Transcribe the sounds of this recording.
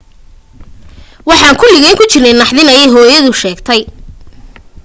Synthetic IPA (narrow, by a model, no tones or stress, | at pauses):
wɑħɑːŋkʰʊlɪɣɛŋkʰʊt͡ʃɪrnɛnɑħðɪnɐjɛjɦɔːjɐðʊʃɛːɡt̪ʰɛj